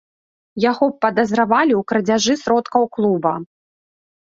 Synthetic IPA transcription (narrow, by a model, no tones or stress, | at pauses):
jaɣɔpːɐd̪ɐzɾavalʲiwkɾɐd͡zʲaʐɨsɾɔt̪kɐwklˠubɐ